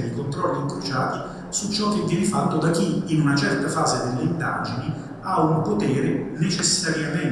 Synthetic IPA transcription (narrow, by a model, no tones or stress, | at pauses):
d̪ikont̪ɾɔlːiŋkɾot͡ʃaːt̪i | sut͡ʃːɔk̟ːevːjɛːnɪfat̪ːod̪akiːnunat͡ʃɛrt̪afaːzed̪elːeind̪a̰ːd͡ʒini | aumpot̪ɛːɾɪnet͡ʃesːaɾjamen